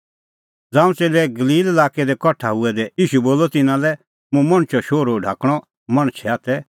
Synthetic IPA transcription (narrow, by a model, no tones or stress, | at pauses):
d͡zãːũt͡seːlɛɡɐliːlɛlaːkɛd̪ɛkɔʈʰaɦʊɛd̪ɛiːʃuboːlɔt̪ɪnãlɛ | mũmɐ̃ɽ̃t͡ʃɔʃoːɾoɖʱa̰ːkɽ̃ɔ | mɐɽ̃t͡ʃʰɛaːt̪ɛ